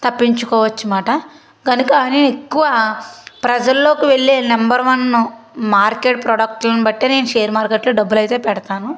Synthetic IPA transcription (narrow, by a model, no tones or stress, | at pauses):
t̪ɐpːiɲt͡ʃukɔːʋɐt͡ʃːumaːʈɐ | ɡɐnukɐneːnekːuʋapɾɐd͡ʒɐlːo̞ːkiʋeɭːeːnɐmbɐɾʋɐnmaːɾke̞ːʈ̚pɾɔːɽɐk̚ʈlɐnibɐʈːeːne̞ːnuʃe̞ːɾmaːɾkeʈloːɖɐbːulɐjt̪eːpɛɽɐt̪aːnu